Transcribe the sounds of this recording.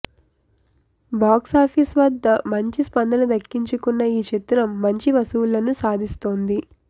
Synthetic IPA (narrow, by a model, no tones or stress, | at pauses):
baːksaːpʰisʋɐd̪ːɐmɐɲt͡ʃispɐnd̪ʱɐnɐd̪ɐkːiɲt͡ʃukunːɐiːt͡ʃet̪ːɾɐmːɐɲt͡ʃiʋɐsuːlːɐnusaːd̪ʱist̪oːnd̪i